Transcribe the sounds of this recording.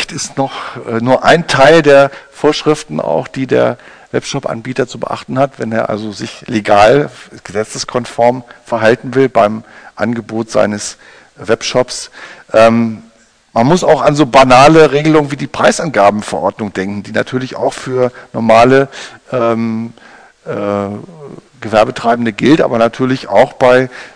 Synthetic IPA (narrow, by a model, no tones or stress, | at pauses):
tɪstnɔχʔɛnuːɐʔa̰ɪntʰaɪldeːɐfoːɐʃʁ̥ɪftn̩a̰ʊxd̥iːdḛːɐ | vɛ̰pʃɔpʔa̰nbiːtɐt͡subə̰ʔa̰χtn̩hatvɛneːɐʔa̰lzozɪçleɡaːlɡ̥əzɛt͡səskʰɔnfɔɐmfɛɐɦaltn̩vɪlbaɪmʔa̰nɡəboːtz̥a̰ɪnəs | vɛpʃɔpsʔɛːm | manmʊsaʊxanzoːbanaːləʁeːɡəlʊŋənviːdiːpʁ̥aɪsʔanɡaːbm̩fɛɐʔɔɐdnʊŋd̥ɛŋkŋ̩diːnatʰyːɐlɪça̰ʊxfyːɐnɔɐmaːləʔɛːm | ʔɛː | ɡ̥əvɛɐbətʁ̥aɪbn̩dəɡɪltʔa̰ːbɐnatʰyːɐlɪça̰ʊxb̥aɪ